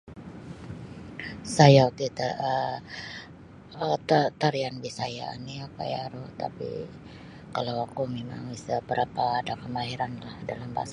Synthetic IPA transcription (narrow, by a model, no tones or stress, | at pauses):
sajaut̪it̪aə | t̪at̪aɾianbisaja̰ḭniaka̰jaɾot̪a̰pḭ | kalawakumema̰ŋisəbəɾapaːdakəmaɦiɾanlahdalamba̰s